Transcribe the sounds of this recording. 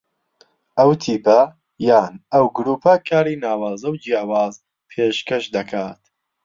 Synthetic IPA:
ʔɐwt̪ʰiːpɐ | jaːnɐwɡʊɾuːpʰɐkʰaːɾiːnaːwaːzɐwd͡ʒjaːwaːz | pʰeʃkɐʃd̪ɐkʰaːt̪

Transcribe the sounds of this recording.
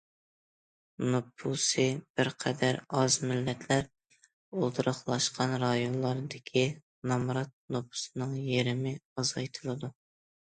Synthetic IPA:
nopʰusɨb̥ɪɾqʰɛd̪æɾɑzmɪlːɛt̪ʰlæɾ | olˠd̪ʰɨɾəχlˠɑʃqʰɑnɾɑjonlˠɑɾd̪ɪkʲʰi | nɑmɾɑt̪̚nopʰu̥sɨnɨŋjeɾɪmɪɑzɑjt̪ʰɨlˠɨd̪u

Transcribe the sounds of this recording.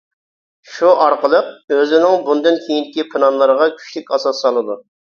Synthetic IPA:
ʃuʔɑɾqəlˠəq̚øzɪnɪŋbund̪ɨnkʲʰejind̪ɪkʲipʰɨnɑnlˠəɾəʁɑkʲʰy̥t͡ʃlɪkʲɑsɑsːɑlˠɨd̪u

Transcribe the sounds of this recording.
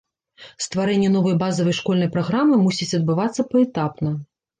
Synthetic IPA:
st̪vaɾɛnʲːɛn̪ɔvɐjbazɐvɐjʂkɔlʲnɐjpɾaɣɾamɨmusʲit͡sʲɐd̪̚bɨvat̪sːɐpɐɛt̪apnɐ

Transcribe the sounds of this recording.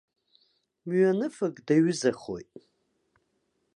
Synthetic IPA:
mɥanɨfɨkʼdaɥɪzaχo̰jtʼ

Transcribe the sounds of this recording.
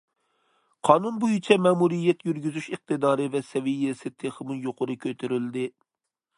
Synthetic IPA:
qʰɑːnunbujit͡ʃʰɛmɛːmuɾijːɛt̪jyɾɡʲyzyʃəq̚t̪ʰɨd̪ɑːɾɨvɛsɛvijːɪsɪt̪ʰeχɨmɨjoqʰʊɾɨkʲʰøt̪ʰyɾyld̪ɪ

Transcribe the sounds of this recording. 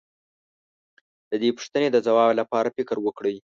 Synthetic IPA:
d̪̥əd̪epu̥ʂt̪əned̪əzawɑblapɑɾafɪkəɾwəkɽəj

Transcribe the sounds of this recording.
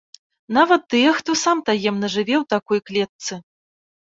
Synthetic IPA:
navɐt̪̚ːɨjɛxt̪ɔsamt̪ajɛmnɐʐɨvʲɛwt̪akɔjklʲɛt̪̚sɨ

